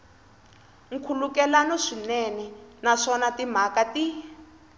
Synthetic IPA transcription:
ŋ̩kʰulukɛlanɔʂinɛnɛnaʂɔnatim̤akati

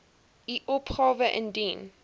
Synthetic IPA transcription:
iʔɔpχɑːvəʔə̰̃ndin

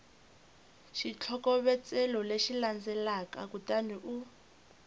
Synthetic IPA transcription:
ʃit͡ɬʰɔkɔβɛt͡sɛlɔleʃiland͡zɛlakakutaniʔu

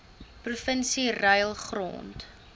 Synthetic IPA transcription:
prufənsirəjlˠχro̰ːnt

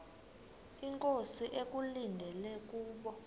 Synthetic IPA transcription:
iŋkʼosiʔek̬ʼulindʱɛlɛk̬ʼuːɓɔ

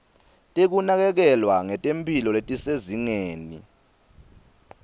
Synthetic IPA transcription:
tʼek̬unak̬ɛk̬ɛlwaŋɛtʼempʰʼilɔletʼiseziŋeːnḭ

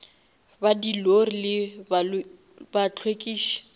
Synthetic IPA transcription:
badilorilɪbal | bat͡ɬʰwekʼiːʃi̥

